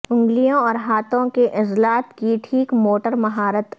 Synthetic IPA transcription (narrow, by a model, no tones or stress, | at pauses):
ʊ̃ŋɡlijõɔːɾɦaːt̪ʰõkeʔɪzlaːt̪kiʈʰiːkmoːʈəɾmɐɦaːɾət̪